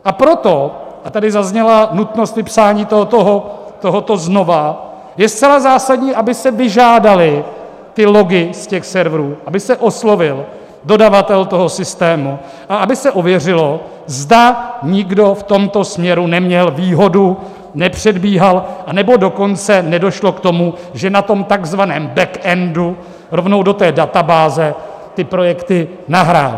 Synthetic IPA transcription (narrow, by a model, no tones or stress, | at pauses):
ʔapɾo̞t̪o̞ʔat̪adɪzazɲɛlanut̪nost̪vɪpsaːɲiːt̪ot̪oɦot̪o̞ɦot̪o̞zno̞va | jɛst̪t͡sɛlazaːsadɲiːʔabɪsɛvɪʒaːdalɪ | t̪ɪlo̞ɡɪscɛxsɛɾvɾuːʔabɪsɛʔo̞slo̞vɪl | do̞davat̪ɛlt̪o̞ɦo̞sɪst̪ɛːmu | ʔaabɪsɛʔovjɛr̝ɪlo̞ | zdaɲɪɡdo̞ft̪o̞mt̪o̞smɲɛɾunɛmɲɛlviːɦo̞du | nɛpr̥ɛdbiːɦalʔanɛbo̞do̞ko̞nt͡sɛnɛdo̞ʃlo̞kt̪o̞mu | ʒɛnat̪o̞mt̪aɡzvanɛːmbɛkʔɛndu | ɾo̞vno̞wdo̞t̪ɛːdat̪abaːzɛ | t̪ɪpɾo̞jɛkt̪ɪ | naɦɾaːl